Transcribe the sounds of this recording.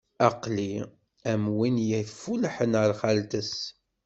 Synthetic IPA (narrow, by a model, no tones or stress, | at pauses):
ɑqli | æmwinjæθfulħənəɾˤχælt̪əs